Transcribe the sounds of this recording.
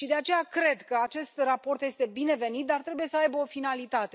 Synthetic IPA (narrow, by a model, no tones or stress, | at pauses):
ʃid̪e̞at͡ʃe̞jakɾe̞d̪kəat͡ʃe̞st̪rapo̞rt̪je̞st̪e̞bine̞ve̞nit̪̚d̪art̪ɾe̞buje̞səajbəo̞finalit̪at̪e̞